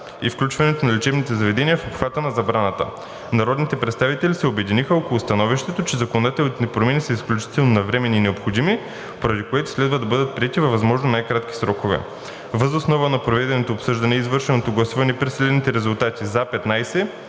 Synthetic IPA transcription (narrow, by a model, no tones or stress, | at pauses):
ifklʲut͡ʃvɐnɛt̪onɐlɛt͡ʃɛbnit̪ɛzɐvɛd̪ɛniəfopxv̥at̪ənɐzɐbɾanət̪ə̰ | nɐɾɔd̪nit̪ɛpɾɛt̪st̪avit̪ɛlʲisɛobɛd̪inixəɔkolˠʊst̪ɐnɔviʃt̪ɛt̪ot͡ʃɛzɐkonod̪at̪ɛlʲˠt̪nɛpɾomʲɛnisəisklʲut͡ʃi̥t̪ɛlˠnonɐvɾɛmɛninɛopxod̪imi | poɾɐd̪ikoɛt̪o̥slɛd̪vəd̪ɐbɤd̪ət̪̚pɾiɛt̪ivɐvɐzmɔʒnonajkɾat̪k̟ʲi̥sɾɔkovɛ̰ | vəzosnɔvənɐpɾovɛd̪ɛnot̪oːpsɤʒd̪ɐnɛizvɤɾʃɛnot̪oɡlˠɐsuvɐnɛpɾisɛlɛnit̪ɛɾɛzulˠt̪at̪ʲizapɛt̪najsɛ